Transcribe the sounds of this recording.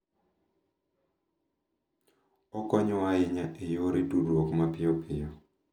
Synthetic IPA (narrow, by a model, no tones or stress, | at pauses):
ɔkɔɲɔwaɪɲaʔejoɾedudɔkmapɪjɔpʰɪjɔ